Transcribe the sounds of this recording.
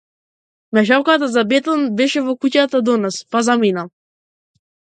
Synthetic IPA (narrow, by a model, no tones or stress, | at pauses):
mɛʃawkat̪azabɛt̪ɔnbɛʃɛvɔkucat̪ad̪ɔnɔspazamina